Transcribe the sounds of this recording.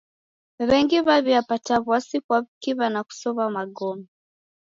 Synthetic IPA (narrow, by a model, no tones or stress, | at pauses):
βɛŋɡiβaβiapataβwasikwaβikiβanaku̥sɔβamaɠɔmɛ